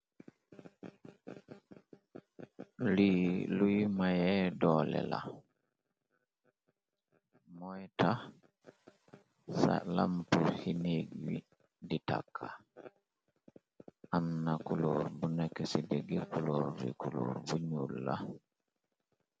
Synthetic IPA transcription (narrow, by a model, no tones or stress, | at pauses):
lilujmajɛdɔːlɛ̰la̰ | mɔjta | sa̰lampuhiniɡwḭ | dita̰kʰːa | ʔamnakulɔɾbunakɛsideɡɛkuloɾɾḭkulo̰ɾbuɲulːa